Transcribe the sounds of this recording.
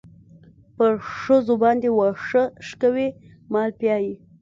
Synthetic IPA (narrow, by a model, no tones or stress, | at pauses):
pəʂəzobɑnd̪ewɑʂəʃkawe | mɑlpjɑji